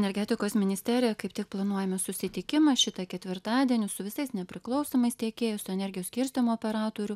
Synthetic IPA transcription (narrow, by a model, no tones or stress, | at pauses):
nʲɛɾʲɡʲɛt̪ʲɪkoːsmʲɪnʲɪsʲt̪ʲæːɾʲɪjɛkɐɪpt̪ʲɪk̚plˠɐnuɔjɛmʲɪsʊsʲɪt̪ʲɪkʲɪmɐʃʲɪt̪ɐkʲɛt̪ʲʋʲɪɾt̪ɑːd̪ʲiɛnʲʊsʊʋʲɪsɐɪsnʲɛpʲɾʲɪklˠɐʊsoːmɐɪst̪ʲiɛkʲeːjɛsʊɛnʲɛɾʲɡʲɪjɛsʲkʲɪɾʲsʲt̪ʲɪmʊɔːpʲɛɾɑːt̪oːɾʲʊ